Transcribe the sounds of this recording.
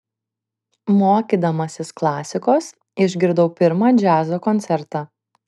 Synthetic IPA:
moːkʲiːd̪ɐmɐsʲɪsklˠɑːsʲɪkoːs | ɪʒʲɡʲɪɾd̪ɐʊpʲɪɾmɑːd͡ʒʲæːzoːkɔnʲt̪sʲɛɾt̪ɑː

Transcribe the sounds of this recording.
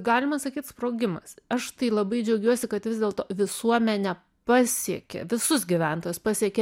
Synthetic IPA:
ɡɑːlʲɪmɐsɐkʲiːt̪spɾoːɡʲɪmɐsɐʃt̪ɐɪlˠɐbɐɪd͡ʒʲɛʊɡʲuɔsʲɪkɐt̪ʋʲɪzd̪ʲeːlˠt̪oːʋʲɪsuɔmʲɛnʲɛ | pɑːsʲiɛkʲḛʋʲɪsʊsɡʲiʋʲæˑnt̪oːjʊspɑːsʲiɛkʲe

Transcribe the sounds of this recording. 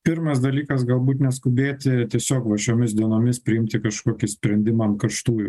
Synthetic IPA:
pʲɪɾmɐsd̪ɐlʲiːkɐsɡɐlˠbuːt̪nʲɛskʊbʲeːt̪ʲɪt̪ʲiɛsʲoːkʋɐʃʲoːmʲɪsd̪ʲiɛnoːmʲɪspʲɾʲɪɪmʲt̪ʲɪkɐʃkoːkʲɪsʲpʲɾʲɛnʲd̪ʲɪmɐɐnkɐɾʃt̪uː

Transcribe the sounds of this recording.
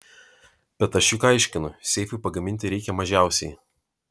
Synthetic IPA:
b̥ʲɛt̪ɐʃʲukaˑɪʃʲkʲɪnʊsʲɛɪfʲʊˑpɐɡɐmʲɪnʲt̪ʲɪɾʲɛɪkʲɛmɐʒʲæˑʊsʲɛɪ

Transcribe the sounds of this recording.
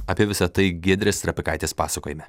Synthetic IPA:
ɐpʲiɛʋʲɪsɐt̪ɐɪɡʲeːd̪ʲɾʲeːst̪ɾɐpʲɪkɐɪt̪ʲeːspɑ̰ːsɐkoːjɪmʲɛ

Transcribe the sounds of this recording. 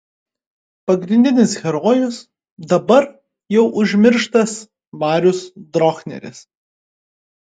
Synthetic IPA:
pɐɡɾʲɪnʲd̪ʲɪnʲɪsxʲɛɾɔːjʊs | d̪ɐbɐɾ | jɛʊʔʊʒʲmʲɪɾʃt̪ɐs | ʋɑːɾʲʊsd̪ɾɔːxnʲɛ̰ɾʲɪ̰s

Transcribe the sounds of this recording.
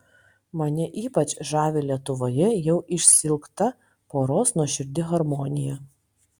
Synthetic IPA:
mɐnʲɪʔiːpɐt͡ʃʒɑːʋʲelʲiɛt̪ʊʋoːjɛjɛʊʔɪʃʲsʲɪlˠkt̪ɐ | poːɾoːsnuɔʃʲɪɾʲd̪ʲɪɣɐɾmɔːnʲɪjɛ

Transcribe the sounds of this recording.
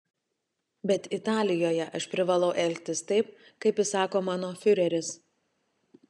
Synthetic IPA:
bʲɛt̪ɪt̪ɑːlʲɪjoːjɛʔɐʃpʲɾʲɪʋɐlˠɒʊʔɛlʲkʲt̪ʲɪst̪ɐɪp̚kɐɪpʲɪsɑːkoːmɑːnoːfʲʊɾʲɛɾʲɪs

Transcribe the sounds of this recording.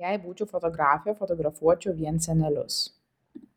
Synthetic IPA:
jæɪbuːt͡ʃʲʊfɔt̪ɔɡɾɑːfʲɪjoːfɔt̪ɔɡɾɐfuɔt͡ʃʲʊʋʲiɛnsʲɛnʲɛlʲʊ̰s

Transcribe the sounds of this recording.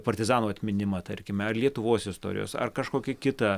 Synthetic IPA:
pɐɾʲt̪ʲɪzɑːnuːɐt̪ʲmʲɪnʲɪmɐt̪ɐɾʲkʲɪmʲɛɐrlʲiɛt̪ʊʋoːsɪst̪o̰ːɾʲɪ̰jo̰ːsɐ̰rkɐʃkoːkʲɪkʲɪt̪ɐ

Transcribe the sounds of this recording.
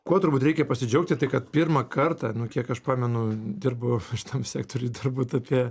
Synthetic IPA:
kuɔt̪ʊɾbuːt̪ʲɾʲɛɪkʲɛpɐsʲɪd͡ʒʲɛʊk̚t̪ʲɪt̪ɐɪkɐt̪̚pʲɪrmɐkɐrt̪ɑnʊkʲiɛkɐʃpɑːmʲɛnʊd̪ʲɪrbʊʃʲɪ̥t̪ɐmsʲæːk̚t̪oɾʲuːd̪ɪrbuːt̪ɐpʲiɛ

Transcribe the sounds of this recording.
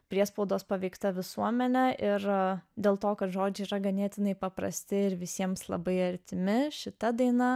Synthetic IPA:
pʲɾʲiɛspɐʊd̪oːspɐʋʲɛɪkt̪ɐʋʲɪsuɔmʲɛnʲɛʔɪrd̪ʲeːlˠt̪oːkɐt̪ʒoːd͡ʒʲɛɪiːɾɐɡɐnʲiːt̪ʲɪnɐɪpɐpɾɐ̰sʲt̪ʲɪɪɾʋʲɪsʲiɛmslˠɐ̰bɐɪɐɾʲt̪ʲɪmʲɪʃʲɪt̪ɐd̪ɐɪnɐ

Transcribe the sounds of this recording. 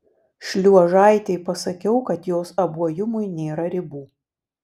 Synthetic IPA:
ʃʲlʲuɔʒɑˑɪt̪ʲɛɪpɐsɐkʲɛʊkɐt̪joːsɐbuɔjʊmʊjnʲeːɾɐɾʲɪbuː

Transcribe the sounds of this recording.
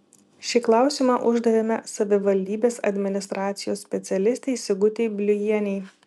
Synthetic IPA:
ʃʲɪklˠɑˑʊsʲiˑmɑʔʊʒd̪ɐɾʲɪnɐ̰sɐʋʲɪʋɐlʲd̪ʲiːbʲeːsɐ̰d̪ʲmʲɪnʲɪst̪ɾɑːt̪sʲɪjoːsːʲpʲɛt̪sʲɛlʲɪsʲt̪ʲɛɪsʲɪɡʊt̪ʲeɪbʲlʲʊjiɛnʲɛɪ

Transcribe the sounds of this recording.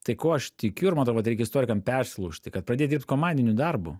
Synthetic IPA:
t̪ɐɪkoːɐʃt̪ʲɪkʲʊɪɾmɐnt̪ɾoʊʋɐt̪ɾʲɛɪkɛɪst̪oːɾʲɪkɐmpʲɛrsʲlˠuːʃʲt̪ʲɪkɐt̪̚pɾɐdʲeːjd̪ʲiɾpt̪koːmɑnʲd̪ʲɪnʲʊd̪ɐrbʊ̰

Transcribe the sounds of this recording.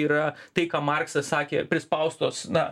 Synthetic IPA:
iːɾɐt̪ɐɪkɑːmɑrksɐssɑːkʲḛːpʲɾʲɪspɐʊst̪oːsnɐ

